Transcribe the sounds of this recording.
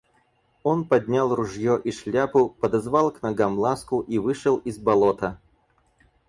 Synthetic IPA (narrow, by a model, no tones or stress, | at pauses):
o̞npɐd̪ʲnʲalˠrʊʐjoʔiʂlʲapʊpəd̪ɐzvɑlˠknɐɡamlˠaskʊʔivɨʂəlˠizbɐlˠot̪ə